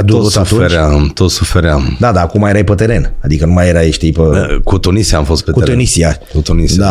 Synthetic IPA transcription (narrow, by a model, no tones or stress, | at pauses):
d̪osuufeɾeamt̪ot̪sufeɾeamd̪ad̪aːkumajeɾajpət̪eɾe̞nad̪ikənumajeɾajeʃt̪ejpəkut̪unisiamfo̞st̪petkuunisiakut̪unisd̪a